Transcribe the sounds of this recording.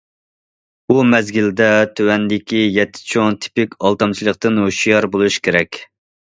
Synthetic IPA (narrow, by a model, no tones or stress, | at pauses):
umɛzɡʲild̪ɛt̪ʰøwɛnd̪ɪkʲijɛt̪ʰːɪ̥t͡ʃʰoŋt̪ʰɪ̥pɪkʲɑlˠt̪ɑmt͡ʃʰilˠəqt̪ɨnɦoʃjɑɾbolˠuʃkʲʰeɾɛkʲ